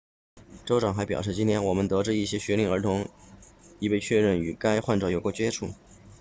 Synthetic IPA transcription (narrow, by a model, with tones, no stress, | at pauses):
ʈ͡ʂo˥ʊʈ͡ʂɑ˨˩ŋxa˧˥ɪpjɑ˨˩ʊʂɻ̩˥˩t͡ɕi˥nt̪ʰjɛ˥nwɔ˨˩mə˦nt̪ɤ˧˥ʈ͡ʂɻ̩˥˧i˥˩ɕjɛ˥ɕɥɛ˧˥li˥˩ŋə˞˧˥t̪ʰʊ˧˥ŋ | i˥pe˥˧ɪt͡ɕʰɥɛ˥˧ɻə˥˩ny˨˩ka˥ɪxwa˥˩˧nʈ͡ʂɑ˥˩jo˨˩ʊkwɔ˥˩t͡ɕɥɛ˥ʈ͡ʂʰṵ˥˩˦